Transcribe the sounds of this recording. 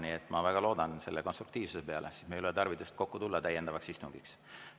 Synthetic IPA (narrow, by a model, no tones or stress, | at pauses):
niet̪ːˑmɑvæɡ̥ɑlo̞ːd̪ɑnse̞lːeko̞nst̪ru̥kt̪iːv̥susepe̞ɑ̰lesismejloet̪ɑrvit̪ːust̪̚ko̞kːut̪ulːɑt̪æjːe̞nd̪ɑvɑksist̪uŋɡ̥iks